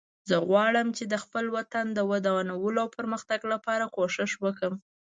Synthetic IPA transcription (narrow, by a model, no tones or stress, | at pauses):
zəɣwɑɽəmt͡ʃed̪əxpəlwat̪and̪əwəd̪awanawəloawpəɾməxt̪aɡlapɑɾakoʃɪʃwəkəm